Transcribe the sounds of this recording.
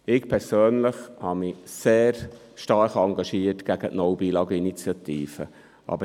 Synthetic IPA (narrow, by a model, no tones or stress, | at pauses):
ɪkpʰɛɾsøːnləχhɑmɪseːɾ | ʃtɑɾχɑŋɡɑʃiːətɡ̥æɡ̥ətnɔwbiːlɑːɡəinit͡sjɑtiːfə | ʔɑ̰bə